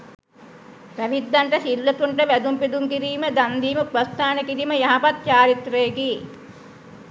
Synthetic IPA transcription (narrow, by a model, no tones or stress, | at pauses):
pɾæʋid̪ːaɳʈəsilːət̪uɳʈəʋæd̪umpid̪uŋkiɾiːməd̪and̪iːməprəst̪aːnəkiɾiməjaɦapat̪̚t͡ʃaːɾit̪ɾɐjeki